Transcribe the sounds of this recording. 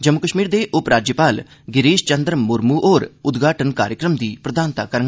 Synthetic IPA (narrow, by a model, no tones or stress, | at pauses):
d͡ʒəmːʊkəʃmiːɾd̪eːʔʊpɾaːd͡ʒjəpaːl | ɡɪɾiːʃt͡ʃənd̪ɾmʊɾmuːʔoːɾʊd̪ɡʱaːʈənkaːɾjəkɾəmd̪iːpɾəd̪aːnt̪aːkəɾəŋɡ